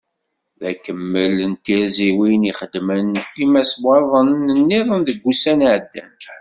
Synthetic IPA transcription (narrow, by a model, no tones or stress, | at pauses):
ðækəmːələnt̪ːiɾziwiniχəd̪mənimæsbɑðˤənənːiðˤənðəɡʷːusænʕəd̪ːæ̰n